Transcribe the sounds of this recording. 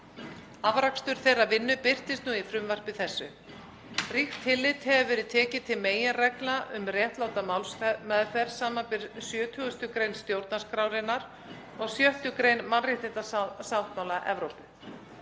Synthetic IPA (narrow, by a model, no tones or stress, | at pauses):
avɾakst̪ʏɾ̥θejravɪnːʏpɪr̥t̪ɪst̪nuːifɾʏmvar̥pɪθɛsːʏ | rixt̪ʰhɪlːɪt̪hɛvʏvɛːɾɪðt̪ʰɛːcɪt̪ʰɪlmeːjɪnrɛklaʔʏmrjɛht̪laːwt̪amawlsɛmɛðfɛr̥saːmapɪɾ̥sjœːt̪ʰʏɣʏst̪ʏkɾejnst̪jowɾt̪naskɾawɾɪnːaɾ̥ | ɔɣsjœht̪ʏkɾejnmanrɪht̪ɪnt̪asawt̪mawlaʔɛvɾowpʏ